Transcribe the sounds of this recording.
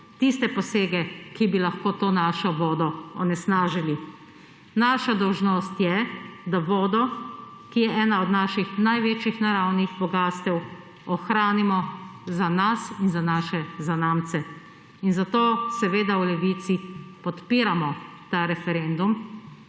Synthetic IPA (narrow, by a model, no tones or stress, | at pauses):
t̪ist̪ɛpɔseːɡɛkibilaxkoːt̪oːnaːʃɔʋɔːd̪ɔɔ̰nɛsnaːʒili | naːʃad̪ɔwʒnɔst̪jɛd̪aʋɔːd̪ɔ | kijɛʔɛːnaɔd̪naːʃixnajʋeːt͡ʃjixnaɾawniɣbɔɡaːst̪ɛw | ɔxɾaːnimɔzanasinzanaːʃɛzanaːmt̪sɛ | inzat̪oːsɛʋeːd̪aulɛʋit̪sipɔt̪piːɾamɔt̪aːɾɛfɛɾend̪um